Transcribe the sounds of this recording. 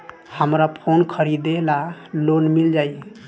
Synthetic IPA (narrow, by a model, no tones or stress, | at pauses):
həmɾapʰonkʰəɾid̪elalonmild͡ʒaj